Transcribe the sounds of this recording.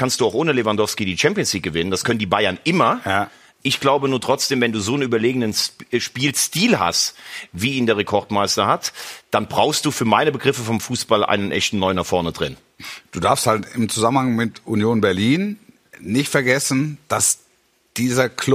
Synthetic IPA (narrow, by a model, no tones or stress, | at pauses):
kʰanstd̥uːaʊxʔoːnəlevandɔfskidiːt͡ʃɛmpiənsliːk̚ɡ̥əvɪnəndaskʰœnəndiːbaɪɐnʔɪmɐj | ʔɪçɡ̥laʊbənuːɐtʁ̥ɔt͡sd̥eːmvɛnduːzoːənʔyːbɐleːɡŋ̩dənsʃpiːlstiːlha̰stviːiːndeːɐʁ̞ekʰɔɐtmaɪstɐhatd̥anbʁaʊxst̚d̥uːfyːɐmaɪnəbəɡʁɪfəfɔmfuːsb̥alʔa̰ɪnənʔɛ̰çtn̩nːɔʏənaχfɔɐnədʁɪn | d̥uːdaɐfsthaltɪmt͡suzamənhaŋmɪtʔunjoːnbɛɐliːn | nɪçtfɛɐɡɛsn̩d̥as | d̥iːzɐkʰlʊ